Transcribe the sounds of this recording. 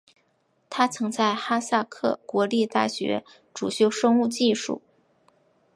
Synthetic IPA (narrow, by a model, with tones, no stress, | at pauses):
t̪ʰa˥t͡sʰɤ˧˥ŋt͡sa˥˩ɪxa˥sa˥˧kʰɤ˥˩kwɔ˧˥li˥˧t̪a˥˩ɕɥɛ̰˧˥ | ʈ͡ʂu˨˩ɕjo˥˩ʊʂɤ˥ŋu˥˧t͡ɕi˥˧ʂṵ˥˩˦